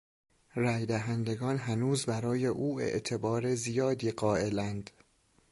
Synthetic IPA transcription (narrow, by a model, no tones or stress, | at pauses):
ɾæːjd̪æɦænd̪eɡɒːnɦænuːzbæɾɒːje̞ʔuːḛʔt̪ʰe̞bɒːɾezijɒːd̪iːɢɒːe̞lænd̪̥